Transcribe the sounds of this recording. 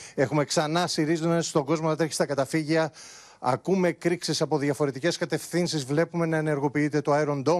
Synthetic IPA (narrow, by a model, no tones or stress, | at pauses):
e̞xume̞ksɐnɐsiɾizunesst̪o̞ɡo̞zmot̪ɐt̪eçist̪ɐkɐt̪ɐfiʝiɐ | ɐkume̞kɾiksisɐpo̞ðjɐfo̞ɾe̞t̪ice̞skɐt̪e̞fθinsizvle̞pume̞nɐene̞ɾɣo̞piit̪e̞t̪o̞ɐeɾond̪o̞